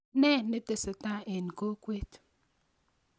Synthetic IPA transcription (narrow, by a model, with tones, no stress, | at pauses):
nɛ˦˨ne˦te˨se˨ta˦e˨n˨ko˦kwe˦t